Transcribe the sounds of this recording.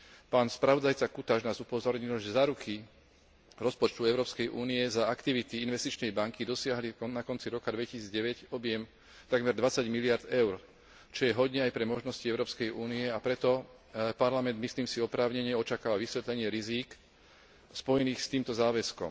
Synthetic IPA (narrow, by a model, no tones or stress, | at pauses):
paːnspɾaʋɔd̪ajt͡sakut̪aʒnaːzupɔzɔɾɲilʒɛzaːɾukʰi | ɾɔspɔt͡ʃt̪uɛʊɾɔːpskɛjʔuːniɛzaakt̪iʋit̪iinʋɛst̪it͡ʃnɛjbaŋkid̪ɔsɪaɦlinakɔnt͡siɾɔkad̪ʋɛcisiːd͡zɟɛʋɛcɔbɪɛm | t̪aɡmɛɾd̪ʋat͡saɟmiliaɾd̪ɛʊɾ | t͡ʃɔjɛɦɔd̪ɲɛajpɾɛmɔʒnɔsciɛʊɾɔːpskɛjʔuːniɛapɾɛt̪ɔ | paɾlamɛnd̪misliːmsiɔpɾaːʊɲɛɲɪɛɔt͡ʃakaːʋaʋisʋɛt̪lɛɲɪɛɾiziːk | spɔjɛniːxst̪iːmt̪ɔzaːʋɛskɔ̰m